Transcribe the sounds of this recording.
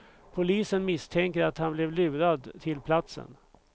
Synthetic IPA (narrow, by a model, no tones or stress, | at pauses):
pʰʊliːsənmɪst̪ʰɛŋkəɾat̪hanblɛvlʉːɾad̪t̪ʰɪlpʰlat̪sə̰n